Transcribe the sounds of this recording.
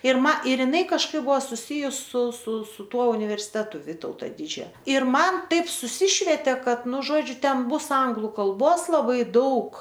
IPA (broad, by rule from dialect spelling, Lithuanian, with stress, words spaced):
ɪr ˈmɐ ɪr jɪˈnɐɪ kɐʃˈkɐɪp ˈbʊʋoː sʊˈsʲɪjʊs sʊ sʊ sʊ ˈtuɔ ʊnʲɪʋʲɛrʲsʲɪˈtʲæːtʊ ˈʋʲiːtɐʊtoː ˈdʲɪd͡ʒʲoː ɪr ˈmɐn ˈtɐɪp sʊˈsʲɪʃʲʋʲɛtʲeː ˈkɐt ˈnʊ ˈʒoːd͡ʒʲʊ ˈtʲɛn ˈbʊs ˈɐŋɡlˠʊ kɐlˠˈboːs lˠɐˈbɐɪ ˈdɐʊk